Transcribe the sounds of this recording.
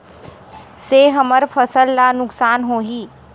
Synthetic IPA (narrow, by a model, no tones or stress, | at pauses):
seɦəməɾfʰəsəlːanʊksaːnɦoːɦiː